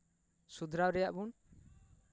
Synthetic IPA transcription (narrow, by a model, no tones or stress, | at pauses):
sud̪ʱɾawɾɛjaʔbun